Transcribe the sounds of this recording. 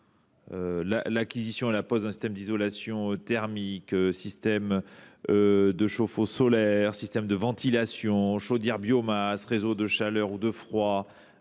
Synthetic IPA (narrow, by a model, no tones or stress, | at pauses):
øla̰lakʲizisjɔ̃elapɔzɛ̃sist̪ɛmd̪izɔlasjɔ̃øt̪ɛʁmikøsist̪ɛmød̪əʃofosɔlɛʁsist̪ɛmd̪əvɑ̃t̪ilasjɔ̃ʃod̪iʁbjomasʁezod̪əʃalœʁud̪əfχwa